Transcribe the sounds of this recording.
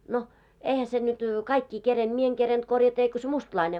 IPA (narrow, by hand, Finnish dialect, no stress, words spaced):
no eihæ se nyt kɑikːi kerend̥ mie eŋ kerend̥ korjɑtɑ eiko se mustlɑine